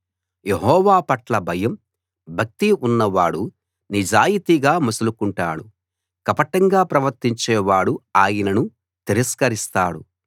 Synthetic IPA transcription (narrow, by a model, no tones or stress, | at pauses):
je̞ɦɔːʋaːpɐʈlɐbʱɐjɐm | bʱɐk̚t̪iʔunːɐʋaːɽu | nid͡ʒaːjit̪iɡaːmusɐlukuɳʈa̰ːɽu | kɐpɐʈɐŋɡaːpɾɐʋɐɾt̪iɲt͡ʃɛːʋaːɽuaːjɐnɐnu | t̪iɾɐskɐɾist̪aːɽu